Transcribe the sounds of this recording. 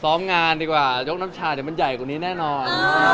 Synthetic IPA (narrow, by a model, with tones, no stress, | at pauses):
sɔː˦˥mŋaː˧ndiː˧kwaː˨˩jo˦˥k̚na˦˥mt͡ɕʰaː˧a˨˩ma˧nja˨˩jka˨˩niː˦˥nɛː˥˩nɔː˧n